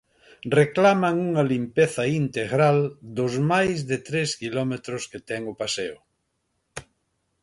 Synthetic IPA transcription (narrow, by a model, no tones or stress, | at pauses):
reklamɐŋuŋɐlimpeθɐint̪eɣɾald̪ʊzmajzðɪt̪ɾeskilɔmet̪ɾʊsket̪ɛŋʊpaseʊ